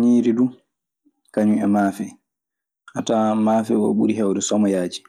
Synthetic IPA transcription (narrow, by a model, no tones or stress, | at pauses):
ɲiːɾidu | kaɲuɛmaːfɛ | ʔatamaːfɛɔ̰ɓṵɾiɦɛwdɛsɔmɔjaːd͡ʒi̥